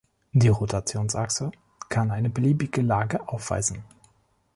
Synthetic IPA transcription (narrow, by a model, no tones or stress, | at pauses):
d̥iːʁotʰat͡sjoːnsʔaksə | kʰanaɪnəbəliːbɪɡəlaːɡəʔaʊfv̥a̰ɪzn̩